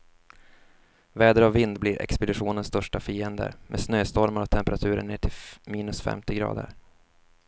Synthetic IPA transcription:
vɛːd̪əɾavːɪnd̪bliɾɛ̰kspəd̪ɪɧuːnənst̪œʂʈafiːənd̪ə̰ɾmʔeːsnøːst̪ɔɾmaɾɔt̪ʰɛmpɛɾat̪ʰʉ̟ːɾəɳːeːʈʰɪlmiːnɵsfɛ̰mt̪ɪɡɾɑ̰ːd̪ə̰ɾ

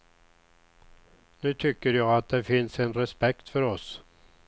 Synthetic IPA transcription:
nʉ̟ːt̪ʰʏkːəɾjɑːɡat̪̚d̪ɛfɪnsɛnɾɛspɛkt̪fœɾɔs

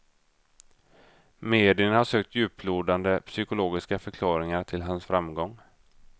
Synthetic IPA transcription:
meːd̪ɪənhaʂøːk̚t̪jʉ̟ːpʰluːɖand̪əpʰsʏkʊloːɡɪskafœɾkʰlɑːɾɪŋaʈʰɪlɦansfɾamɡɔŋː

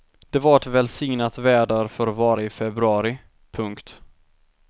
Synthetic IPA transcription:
d̪̥ɛvaɾɛʈvɛlsɪŋnat̪væːɖaɾfœɾvɑːɾaɪfɛbɾɵɑːɾɪ | pʰɵŋkt̪

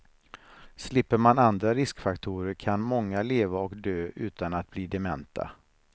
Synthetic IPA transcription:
slɪpːəɾmanand̪ɾaɾɪskfakt̪ʰuːɾəɾkʰanmɔŋːaleːvaɔkd̪øːʔʉ̟ːt̪anat̪̚bliːd̪ɛmɛnt̪ʰa̰

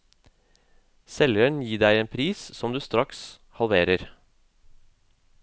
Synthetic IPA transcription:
sɛljœɳjiːd̪æɪeːnpʰɾiːssɔmd̪ʉːst̪ɾɑks | hɑlʋeːɾəɾ

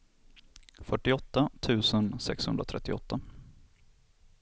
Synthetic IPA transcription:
fœʈːɪɔt̪ːat̪ʰʉ̟ːsənsɛ̰kshɵ̰nd̪ɾat̪ʰɾɛt̪ːɪɔ̰t̪ːa

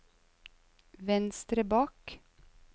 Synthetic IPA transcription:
ʋɛnst̪ɾəbɑːk

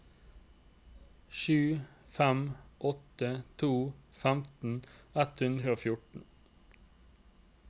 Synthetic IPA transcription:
ʃʉːfæmʔɔt̪ət̪ʰuːfæmt̪n̩ɛt̪hʉnd̪ɾəoːfjʊʈɳ̩

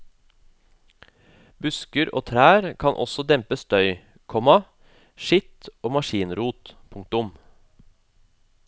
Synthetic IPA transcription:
bʉskəɾo̰ːt̪ʰɾæːɾkʰɑnʔɔ̰sɔd̪ɛmpəst̪œʏ | kʰɔmɑ | ʃɪt̪oːmɑʃiːnɾuːt̪pʰʊŋk̚t̪ʊm

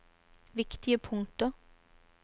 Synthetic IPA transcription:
ʋɪkt̪ɪəpʰʊŋt̪ə

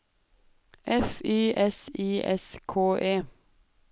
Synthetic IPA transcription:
ʔɛfiːʔɛsiːʔɛ̰skʰoːʔeː

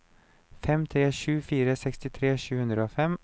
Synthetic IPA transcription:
fɛmt̪ʰɾeːɕʉːfiːɾəsɛkst̪ɪt̪ʰɾeːɕʉːhɵnd̪ɾəoːfɛm

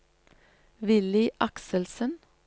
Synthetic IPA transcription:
ʋɪlɪʔɑksəlsən

